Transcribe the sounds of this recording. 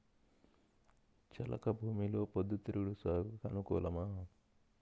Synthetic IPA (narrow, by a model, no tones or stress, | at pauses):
t͡ʃɐ̰lʔɐ̰kɐbʱuːmiloːpod̪ːut̪ɾuɽusaːɡkɐnukɔ̰ːlɐmaː